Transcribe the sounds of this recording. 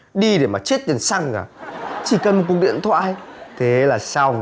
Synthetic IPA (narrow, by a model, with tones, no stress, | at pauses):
ɗi˧ɗe˧˩maː˨˩t͡ɕe˦˥t̚t̪i˨˩ənsa˧ŋa̰ː˨˩t͡ɕi˧˩kə˨˩nm̚˨˩ku˨˩k̚ɗḭ˧˨ənt̪ʰwa̰ː˧˨jt̪ʰe˨˦laː˨˩saː˧w